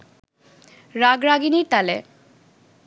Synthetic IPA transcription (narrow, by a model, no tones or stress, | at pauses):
ɾaɡɾaɡiniɾt̪alḛ